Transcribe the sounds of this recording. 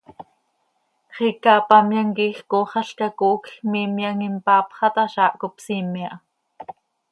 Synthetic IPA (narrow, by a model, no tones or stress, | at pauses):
χikɑːpɑmjaŋkiːxkoːχɑɬkɑkoːkxmiːmjaŋimpɑːpχɑt̪ɑʃɑːʔkopsimjaʔ